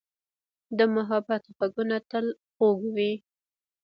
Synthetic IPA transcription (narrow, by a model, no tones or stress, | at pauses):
d̪əmaɦɑbat̪ɣaɡunat̪əl | ɣoɡwi